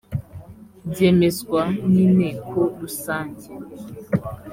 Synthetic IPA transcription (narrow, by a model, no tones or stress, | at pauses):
demeskʷaninekoɗusand͡ʒa